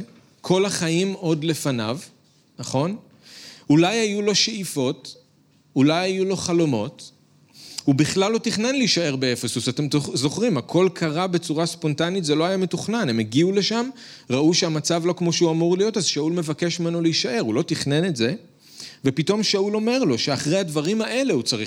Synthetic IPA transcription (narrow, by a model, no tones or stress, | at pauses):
kʰo̞laχaimo̞dle̞fana̰v | naχo̞n | ulajajulo̞ʃeifo̞t | ulajajulo̞χalo̞mo̞t | hubiχlalːo̞tiχnenliiʃae̞ʁbeefesusate̞mzo̞χʁimakʰo̞lkʰaʁabe̞t͡suʁaspo̞ntanitzelo̞ajame̞tuχnanemeɡiule̞ʃam | ʁaʔuʃeamat͡savlo̞kmo̞ʃeuamuʁlijo̞tazʃaulme̞vake̞ʃmimenoliiʃaʔe̞ʁulo̞tiχne̞ne̞tze̞ | ve̞pito̞mʃaulo̞me̞ʁlo̞ʃeaχʁe̞jhadvaʁimhaʔe̞le̞hut͡saʁi